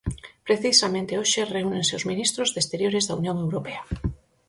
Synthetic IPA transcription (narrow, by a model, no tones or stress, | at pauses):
pɾeθisamẽnt̪eoʃereunenseozmĩnist̪ɾozðest̪eɾjoɾezðaunjõŋewɾopea